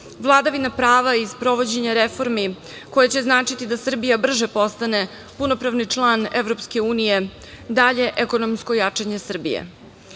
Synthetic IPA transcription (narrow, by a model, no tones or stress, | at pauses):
ʋlˠad̪aʋinapɾaːʋaispɾo̞ʋo̞d͡ʑe̞ɲaɾefo̞ɾmi | ko̞jet͡ɕe̞znaːt͡ʂit̪id̪asr̩bijabr̩ʒepo̞st̪ane̞ | puno̞pɾaʋnit͡ʂlˠaːnevɾo̞pske̞uːnije̞ | d̪aʎe̞ʔeko̞nomsko̞jat͡ʂeɲe̞sr̩bḭjḛ